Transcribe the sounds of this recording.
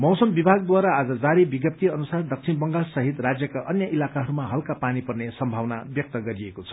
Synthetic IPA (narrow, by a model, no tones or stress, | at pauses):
mʌwsʌmbibʱaɡd̪waɾaːd͡zʌd͡zaɾibiɡjʌp̚t̪iʌnusard̪ʌk̚t͡sʰinbʌŋɡalsʌɦit̪rad͡zjʌkaʔʌnjʌʔilakaɦʌɾumaɦʌlkapanipʌrnesʌmbʱawnabjʌk̚t̪ʌɡʌɾiekot͡sʰʌ̥